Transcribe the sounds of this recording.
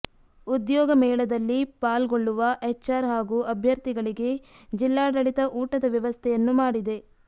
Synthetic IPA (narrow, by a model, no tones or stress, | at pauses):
ud̪jɔːɡɐmɛːɭɐd̪ɐlːipaːlɡoɭːuʋɐʔet͡ʃaːɾɦaːɡuːʔɐbʱjɐɾt̪iɡɐɭiɡe̞ | d͡ʒilːaːɽɐɭit̪ɐʔuːʈɐd̪ɐʋjɐʋɐst̪ʰɛjɐnːumaːɽid̪e̞